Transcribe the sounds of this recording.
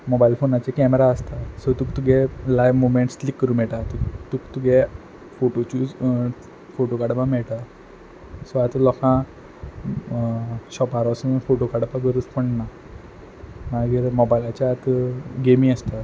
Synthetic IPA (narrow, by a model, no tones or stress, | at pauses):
mɔbailfonat͡ɕekɛmeɾaəst̪asət̪uːkt̪uɡɛlajʋmomeɳʈstlikːəɾuːm̤ɛɭʈat̪ut̪ukt̪uɡɛ | foʈot͡ɕuːd͡z | foʈokaɽpamɛɭʈ̪a | sɔat̪lɔkã | ɕɔpaɾasəməfoʈokaɽpaɡəɾuːd͡zpəɳna | maɡiːɾmɔbajlat͡ɕaːt̪ɡemĩəst̪a